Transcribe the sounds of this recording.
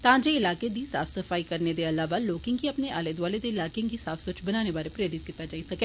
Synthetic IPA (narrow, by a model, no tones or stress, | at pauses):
t̪ãːd͡ʒeːɪlaːked̪iːsa̰ːfʰsəfʰaːikəɾneːd̪eːəlaːʋaːloːkɪ̃ŋɡiːəpneːʔaːleːd̪ʋaːleːd̪eːɪlaːkeãŋɡiːsaːfʰsʊt͡ʃbənaːneːbaːɾeːpɾeːɾɪt̪̚kit̪ːaːd͡ʒaːisəke